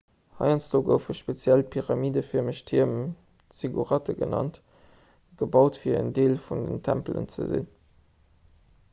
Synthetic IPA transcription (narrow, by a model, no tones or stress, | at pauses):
hɑ̰ɪɑnt͡sd̥oːɡəʊfəʃpet͡sjælpʰiʁɑmiːdəfiɐməɕtʰiɐm | t͡siɡṵʁætəɡənɑ̰nt | ɡ̥əbɑʊtfiːɐə̰ndeːlfundə̰ntʰæ̰mplə̰nt͡sə̰zḭn